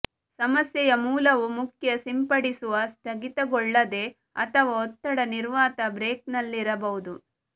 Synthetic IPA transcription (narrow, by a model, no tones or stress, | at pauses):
sɐmɐsjɛjɐmuːlɐʋumukʰjɐsimpɐɽisuʋɐst̪ʰɐɡit̪ɐɡɔɭːɐd̪e̞ | ɐ̰t̪ʰɐʋɐɔt̪ːɐɽɐniɾʋaːt̪ɐbɾeːknɐlːiɾɐbɐʋud̪u